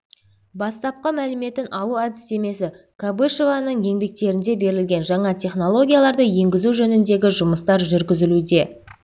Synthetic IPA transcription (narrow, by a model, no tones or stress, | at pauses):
bɑst̪ɑp̚qəmælɪme̞t̪ɪnʔɑw̪ˠuad̪ʲɪse̞me̞sɪ | kʰabɨʃevɑnəɴje̞ŋbe̞k̚t̪e̞ɾɪnd̪e̞be̞ɾɪlɡʲe̞nʒɑɴɑt̪ʰʲe̞χno̞lˠo̞ɡʲijalˠɑɾd̪əje̞ŋɡʲɪzuʒɵnɪnd̪e̞ɡʲɪʒʊməst̪ɑɾʒʏɾɡʲɪzɪlud̪e̞